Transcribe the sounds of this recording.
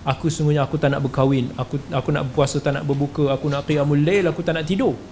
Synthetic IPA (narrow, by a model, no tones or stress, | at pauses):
akusumuɲaːkut̪ana̰ʔbəkawɪnakuakuna̰ʔbəpuasət̪ana̰ʔbəbukəakunaʔkijamulelakut̪anaʔt̪ido